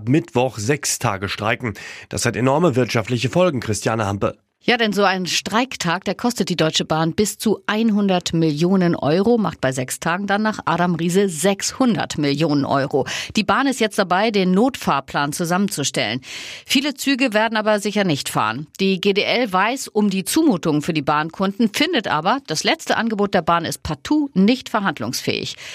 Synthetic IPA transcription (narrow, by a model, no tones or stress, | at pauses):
pmɪtv̥ɔχz̥ɛkstʰa̰ːɡəʃtʁ̥a̰ɪkŋ̩d̥a̰shatenɔɐməvɪɐtʃaftlɪçəfɔlɡŋ̩kʁ̥ɪstʰjaːnəampl | jaːdɛnzoːaɪnʃtʁ̥aɪktʰaːk̚d̥aːɐkʰɔstət̚d̥iːdɔʏt͡ʃəbaːnbɪst͡suʔaɪnɦʊndɐtmɪljoːnənʔɔ̰ʏʁoma̰χt̚b̥aɪzɛkstʰaːɡŋ̩danːaːχʔa̰ːɾamʁiːzəzɛkshʊndɐ̰tmɪljoːnənʔɔ̰ʏʁod̥iːbaːnɪstjɛt͡st̚d̥abaɪdeːnːoːtfaːɐpʰl̥aːnt͡suzamənt͡suʃtɛ̰lə̰nfiːlət͡syːɡəveːɐdn̩ʔaːbɐzɪçɐnɪçtfa̰ːʁə̰nd̥iːɡeːdeːʔɛlvaɪsʔʊmdiːt͡suːmuːtʊŋfyːɐdiːbaːnkʰʊndn̩fɪndətʔa̰ːbɐd̥aslɛt͡stəʔanɡəboːt̚d̥eːɐbaːnɪst̚pʰatʰuːnɪçtfɛɐɦandlʊ̰ŋsfɛ̰ːɪ̰ç